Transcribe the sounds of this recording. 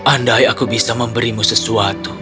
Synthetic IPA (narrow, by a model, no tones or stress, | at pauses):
ʔandajakubisaməmbəɾimusəsuat̪u